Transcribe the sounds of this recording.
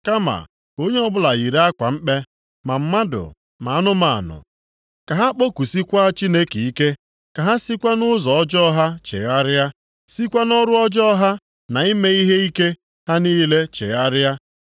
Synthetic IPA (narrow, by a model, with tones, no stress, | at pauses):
ka˦ma̰˨ | o˦ɲe˦ɔ˦bʊ˦la˨ɣi˨ɾe˦a˦kʷa̰˨m̩˦k͡pe˦ | ma˨m̩˦ma˦dʊ̰˨ | ma˨a˦nʊ˦ma̰˨a̰˨nʊ̰˨ | ka˨ɦa˦k͡po˦ku˨si˦kʷa˦a˦t͡ʃi˦ne˦ki˨i˦ke˦ | ka˨ɦa˦si˦kʷa˦nʊ˦zɔ˨ɔ˦d͡ʒɔ˦ɦa˦t͡ʃḛ˨ɣa˦ɾɪ˦a˦ | si˦kʷa˦nɔ˦ɾʊ˦ɔ˦d͡ʒɔ˦ɦa˦ | na˨i˦me˦i˦ɦe˦i˦ke˦ | ha˦niː˦le˦t͡ʃḛ˨ɣa˦ɾɪ˦ja˦